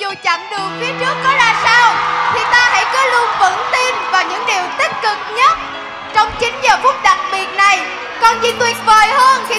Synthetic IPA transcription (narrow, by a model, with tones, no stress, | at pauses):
zu˨˩t͡ɕa̰˧˥ŋɗɨ˨˩ək̚fi˨˦ət͡ɕɨ˦˥əkːɔ˨˦laː˧˩saː˧wt̪ʰi˨˩t̪aː˧ɦa̰˧˥jkɔ˨˦lu˧və̰˧˥nt̪i˧nvaː˨˩wɲɨ̰˧˥ŋɗi˨˩əwt̪i˦˥t̟̚kːɨ˨˩k̚ɲə˦˥t̚ | t͡ɕɔ˧wŋ͡mt͡ɕï˨˦ŋ̟zəː˨˩fu˦˥əp̚ɗa˨˩k̚ɓi˨˩ət̚na˨˩j | kɔ˨˩nzḭ˧˩˦t̪wi˨˩ət̚vəː˨˩jhəː˧nxi˧